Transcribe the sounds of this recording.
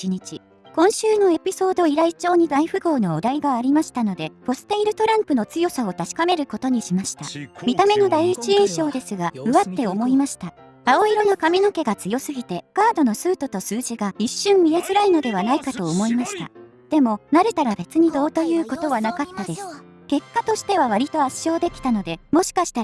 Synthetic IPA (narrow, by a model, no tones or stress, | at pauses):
iɲ̟it͡ɕi | kõ̞ɰ̃ɕɨːno̞e̞pʲiso̞ːd̪o̞iɾait͡ɕo̞ːɲ̟id̪aiɸɯ̟ɡo̞ːno̞ːd̪aiɡaːɾʲimaɕi̥t̪ano̞d̪e̞po̞sɨ̥t̪eiɾɯ̟t̪o̞ɾãmpɯ̟no̞t͡sɨjo̞sao̞t̪aɕi̥kame̞ɾɯ̟ko̞t̪o̞ɲ̟iɕimaɕi̥t̪a̰mʲit̪ame̞no̞d̪aiit͡ɕiĩɰ̃ɕo̞ːd̪e̞sɨɡaɯ̟βat̪ːe̞o̞mo̞imaɕi̥t̪a | aoiɾo̞nokamʲino̞ke̞ɡat͡sɨjo̞sɨɡʲit̪e̞ɡ̥aːd̪o̞no̞sɨːt̪o̞t̪o̞sɨːʑiɡaiɕːɨ̃mːʲiɾe̞zɨɾaino̞d̪e̞βanaikat̪o̞ːmo̞imaɕi̥t̪a̰ | d̪̥e̞mo̞naɾe̞t̪aɾabe̞t͡sɨɲ̟id̪o̞ːt̪o̞jɯ̟ːko̞t̪o̞βanakat̪ːad̪e̞sɨ̥ | ke̞kːat̪o̞ɕi̥t̪e̞β̞aβ̞aɾʲit̪o̞aɕːo̞ːd̪e̞kʲi̥t̪ano̞d̪e̞mo̞ɕi̥kaɕi̥t̪a